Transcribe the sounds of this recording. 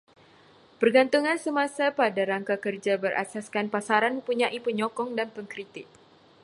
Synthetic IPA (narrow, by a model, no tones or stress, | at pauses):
pərɡant̪uŋãnsəmãsapadaɾaŋkakərd͡ʒabərʔa̰saskanpasaɾanəpuɲaʔipəɲɔkɔŋdanpəŋkɾit̪ɪk̚